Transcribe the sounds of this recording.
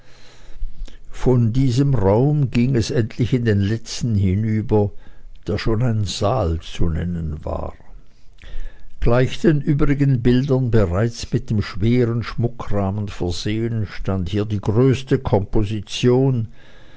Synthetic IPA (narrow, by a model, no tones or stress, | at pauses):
fɔndiːzəmʁaʊmɡiŋɛsʔɛntʰlɪçɪndeːnlɛt͡stn̩ɦɪnyːbɐd̥eːɐʃoːnaɪnzaːlt͡sunɛ̰nənva̰ː | ɡ̥laɪçd̥eːnʔyːbʁɪɡənbɪldɐnbəʁaɪt͡smɪt̚d̥eːmʃv̥eːʁənʃmʊkʁaːmənfɛɐzeːənʃtanthiːɐdiːɡʁøːstəkʰɔmpozit͡sjoːn